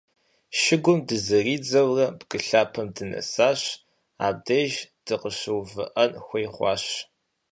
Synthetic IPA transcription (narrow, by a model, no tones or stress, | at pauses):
ʃɪɡʷʊmdɨzɨriːd͡zɐwrɐbɡ̥ɨɬaːpʰɐmdɨnɐ̰saːɕ | a̰ːb̚dɐʒd̥ɨqəɕɨwvɨ̰ʔɐnxʷɐjχʷɑ̰ːɕ